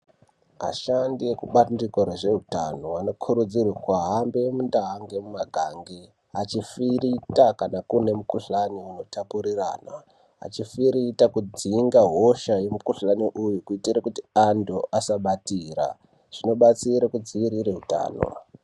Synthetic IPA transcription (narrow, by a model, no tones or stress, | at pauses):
a̰ʃandiekuɓandikoɾeʐe̞ɦuta̰no̞ano̞kʰuɾud͡zirakwaɦambemundaɦaŋɡemumaɡʱaːŋɡi | at͡ʃifiɾitakanakune̞mukuɬaniuno̞tapuɾira̰ːna | a̰t͡ʃifiɾitakud͡ziŋɡaɦo̞ʃaje̞mukuɬaniʔujukuitiɾakutiandoʔasaɓatira̰ | ʐ̥ino̞ɓat͡siɾakud͡ziʋiɾiɾeɦuta̰ːno̰